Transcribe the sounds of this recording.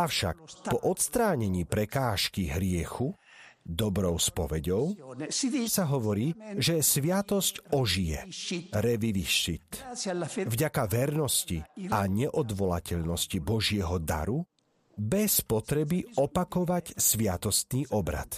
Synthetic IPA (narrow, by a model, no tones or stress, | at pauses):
afʃa̰k̚pɔʔɔt̪st̪ɾaːɲɛɲiːpɾɛkaːʃkiɦɾɪɛxu | d̪ɔbɾɔʊspɔʋɛɟɔʊ | saɦɔʋɔɾiːʒɛsʋɪat̪ɔscɔʒijɛɾɛʋiʋiʃit̪ | vɟakaʋɛɾnɔsciaɲɛʔɔd̪ʋɔlacɛʎnɔscibɔʒɪɛɦɔd̪a̰ɾu | bɛspɔt̪ɾɛbiɔpakɔʋacsʋɪat̪ɔst̪niːʔɔbɾa̰t̪